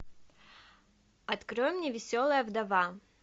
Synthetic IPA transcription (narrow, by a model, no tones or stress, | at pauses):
ɐt̪kɾojəmnʲevʲɪsʲolˠəjəvd̪ɐva